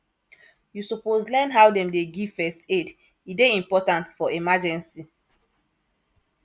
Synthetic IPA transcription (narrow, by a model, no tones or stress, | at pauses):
jusupozlɛnɦawdɛ̃mdeɡivfɛsted | ideĩmpɔtãntfɔemad͡ʒɛ̃nsi